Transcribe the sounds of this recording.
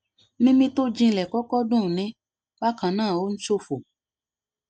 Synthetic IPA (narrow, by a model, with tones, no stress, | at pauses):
nĩ˦mĩ˧to˦d͡ʒĩ˧˦lɛ˨kɔ˦kɔ˦dũ˦˨nĩ˨˦ | ba˦kã˨nãː˦˨o˦n̩˦ʃo˦˨fo˨